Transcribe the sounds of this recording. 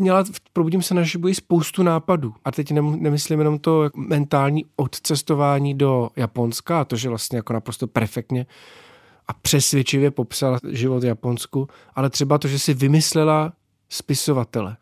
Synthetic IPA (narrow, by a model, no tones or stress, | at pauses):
mɲɛlapɾobuɟɪmsɛnaʒɪbuɪspo̞wst̪unaːpaduːʔat̪ɛcnɛnɛmɪslɪmjɛno̞mt̪o̞jamɛnt̪aːlɲiːot̪t͡sɛst̪o̞vaːɲiːdo̞japo̞nskaːt̪o̞ʒɛvlast̪ɲɛjako̞napɾost̪o̞pɛɾfɛk̚t̪ɲɛ | ʔapr̝̥ɛsvjɛt͡ʃɪvjɛpo̞psalaʒɪvo̞t̪vjapo̞nsku | ʔalɛt̪r̥ɛbat̪oʒɛsɪvɪmɪslɛla | spɪso̞vat̪ɛlɛ